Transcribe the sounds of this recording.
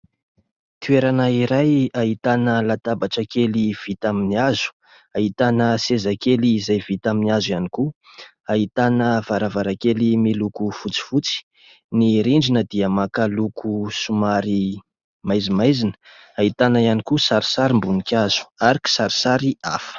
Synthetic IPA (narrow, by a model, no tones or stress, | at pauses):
t̪ueɾanaiɾajait̪anəlat̪abaʈ͡ʂakeliv̥it̪aminiazu̥ | aɦit̪anəsezakeliːzajvit̪aminazijaniku | aɦit̪anəv̥aɾavaɾakelimilukufut͡si̥fut͡si̥ | niɾiɳɖ͡ʐinəd̪iəmakalukʰusumaɾi | majzimajzinə̥ | ait̪anajanikusaɾi̥saɾimbunikʲaz̥u̥aɾiki̥saɾi̥saɾiafə̥